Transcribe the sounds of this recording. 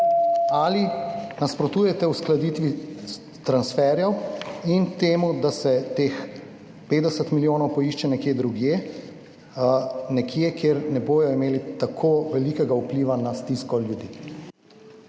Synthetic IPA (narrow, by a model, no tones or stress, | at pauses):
alinaspɾɔt̪uːjɛt̪ɛwsklad̪it̪ʋi | t̪ɾansfɛɾjɛwint̪eːmud̪asɛt̪eːx | peːd̪ɛsət̪miljoːnɔwpɔiʃt͡ʃɛnɛkjed̪ɾuɡje | nɛkʰjekʰeɾnɛboːjɔimeːlit̪akʰoʋɛlikɛɡaupliːʋanast̪iskɔljud̪iː